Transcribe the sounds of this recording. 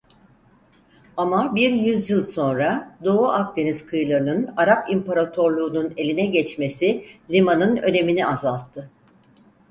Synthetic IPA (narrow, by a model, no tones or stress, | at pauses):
amabiɾjyzjɯlˠso̞nɾad̪o̞uʔak̚d̪e̞niz̥kʰɯjlˠaɾɯnɯnaɾapimpaɾat̪ʰo̞ɾlˠuːnune̞lʲinɛɟɛt͡ʃme̞silʲimanɯnø̞̰ne̞miniʔazalˠt̪ʰːɯ